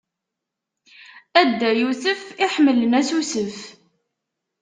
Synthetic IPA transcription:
æd̪ːæjusəfɪħmələnæsusəf

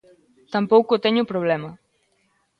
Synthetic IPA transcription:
t̪ampɔwkot̪ɛɲupɾoβ̞lɛmɐ

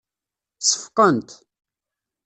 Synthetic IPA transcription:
sə̥fqənt̪

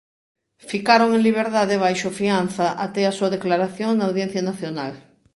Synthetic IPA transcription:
fikaɾoŋẽŋliβ̞eɾðaðeβ̞ajʃofianθaʔat̪easuɐðeklaɾaθjoŋnaːwðjẽn̟θjanaθjonal

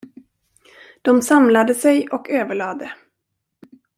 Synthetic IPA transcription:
d̪̥ɔmsamlad̪əsɛjɔkʰøːvəɭɑːd̪ə

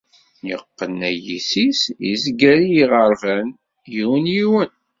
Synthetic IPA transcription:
nə̰ʁqːənæjisisḭzɡæɾijiʁəɾvæn | jiwənjiwən

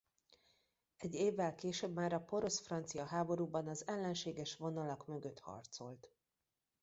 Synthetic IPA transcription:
ɛɟːeːvːɛlkeːʃøːbmaːɾɒpo̞ɾo̞sfrɒnt̪sijɒɦaːbo̞ɾuːbɒnɒzɛlːɛnʃeːɡɛʃʋo̞nɒlɒkmø̞ɡø̞t̪hɒ̰rt̪so̞̰lt̪

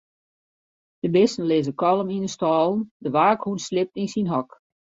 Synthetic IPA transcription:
d̥əbɪstən̩lɪzəkɔlˠəminəstɔːlˠndəʋaːkhunslɪp̚tinsinɦɔk

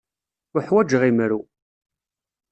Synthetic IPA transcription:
ʊħwæd͡ʒəʁimɾu

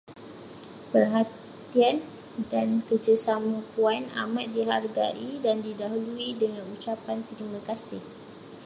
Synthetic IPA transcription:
pərɦa | t̪ian | dankərd͡ʒasamãpuana̰mãt̪̚diɦarɡa̰ʔidandidaɦuluidəŋãnut͡ʃapant̪əɾimãkasɪh

